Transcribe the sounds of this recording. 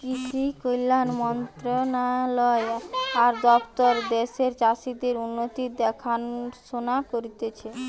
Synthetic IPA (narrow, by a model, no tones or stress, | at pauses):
kiʃʰikojlanmɔnt̪ɾonalɔeaɾd̪ɔpt̪ɔɾd̪eʃeɾt͡ɕaʃid̪eɾunːot̪id̪ɛkʰanʃonakoɾit̪et͡ɕʰe